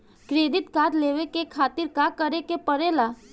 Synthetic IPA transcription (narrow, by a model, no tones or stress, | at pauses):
kɾeːd̪ɪt̪kaːt̪leːʋekekʰaːt̪ɪɾkakəɾekepəɾeːla